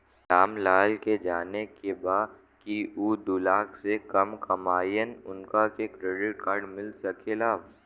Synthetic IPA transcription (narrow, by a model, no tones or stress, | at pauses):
ʈaːmlaːlked͡ʒaːnekebaː | kiuːd̪ʊlaːksekɐmkɐmaːjənʊnkakekɾeːɖɪʈkaːɾɖmɪlsɐkelaː